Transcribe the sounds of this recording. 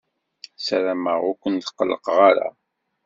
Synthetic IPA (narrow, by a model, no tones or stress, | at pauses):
sæɾæməʁʊkʷənt̪qːəlːəqʁaɾa̰